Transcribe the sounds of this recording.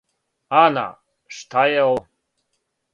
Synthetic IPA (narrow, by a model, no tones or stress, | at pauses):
ana̰ | ʂt̪ʰajaw